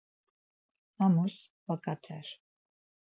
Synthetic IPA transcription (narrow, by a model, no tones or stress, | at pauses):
amus | bakʼat̪ʰɛɾ